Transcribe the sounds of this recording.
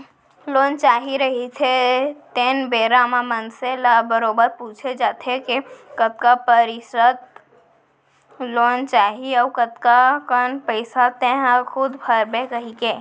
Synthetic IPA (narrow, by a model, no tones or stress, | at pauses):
loːnt͡ʃaːɦiɾəɦit̪ʰet̪enbeːɾamãmənselabəɾoːbəɾpuːt͡ʃʰed͡ʒaːt̪ʰekekət̪̚kapəɾɪsət̪ | loːnt͡ʃaːɦiawkət̪kakənpəɪsat̪ẽɦakʰʊd̪bʱəɾbekəɦikeː